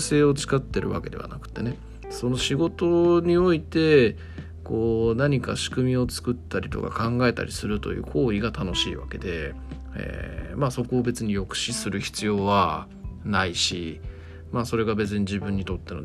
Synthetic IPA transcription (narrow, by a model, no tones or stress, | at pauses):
se̞ːo̞t͡sɨ̥kat̪ːe̞ɾɯ̟βa̰ke̞d̪e̞βa̰nakɯ̟̥t̪ːe̞ne̞ | so̞no̞ɕiɡo̞t̪o̞ɲ̟io̞it̪e̞ | ko̞ːnaɲ̟ika̰ɕi̥kɯ̟mʲio̞t͡sɨ̥kɯ̟t̪ːaɾʲit̪o̞̰ka̰kãŋɡae̞t̪a̰ɾʲisɨɾɯ̟t̪o̞̰jɯ̟̰ːkʰo̞ːiɡat̪ano̞ɕḭːβa̰ke̞d̪e̞ | ḛmaso̞ko̞ːbe̞t͡sɨɲ̟ijo̞kɯ̟̥ɕisɨɾɯ̟çi̥t͡sɨjo̞ːβa | naiɕi | maːso̞ɾe̞ɡabe̞t͡sɨɲ̟id͡ʑibɯ̟̃ɲ̟ːit̪o̞t̪ːe̞no